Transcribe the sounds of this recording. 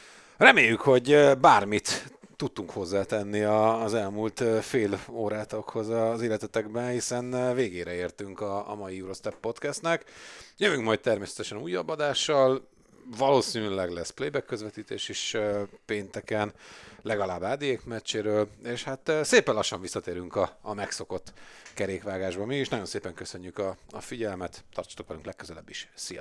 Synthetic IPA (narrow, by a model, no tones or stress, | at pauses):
rɛmeːjːykho̞ɟbaːrmit̪ː | ut̪ːuŋkho̞zːaːt̪ɛnːiɒːzɛlmult̪ːfeːloːɾaːt̪o̞kho̞zɒzeːlːɛt̪ɛt̪ɛɡbɛnhisɛnveːɡeːɾɛeːrt̪yŋkɒ̰ːmɒjijuɾost̪ɛpːo̞t̪kɛst̪nɛkjøvyŋkmɒjt̪̚t̪ɛrmeːsɛ̥t̪ɛʃɛnuːjːɒbːɒd̪aːʃːɒl | vɒloːsiːnylɛɡlɛsplejbɛkːøzvɛt̪iːt̪eːʃiʃpeːnt̪ɛkɛnlɛɡɒlaːbaːd̪ieːkmɛt͡ʃːeːɾøːleʃhat̪ːseːpɛnlɒʃːɒɱvisːɒt̪eːɾyŋkɒːmɛkso̞ko̞t̪ːkɛɾeːkʋaːɡaːʒbɒmiiʃnɒɟo̞nseːpɛŋkøsø̞ɲːykɒɒfiɟɛlmɛt̪t̪ɒrt͡ʃ̪o̥t̪okɛlyŋklɛkːøzɛlɛbːiʃsijɒ̰